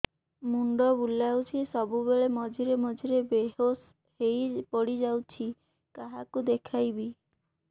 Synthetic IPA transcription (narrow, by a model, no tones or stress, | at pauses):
muɳɖɔbulawt͡ʃʰisɔbubeɭemɔd͡ʒʱiɾemɔd͡ʒʱiɾebeɦos | hejpɔɽid͡ʒawt͡ʃʰi | kaɦakud̪ekʰajbi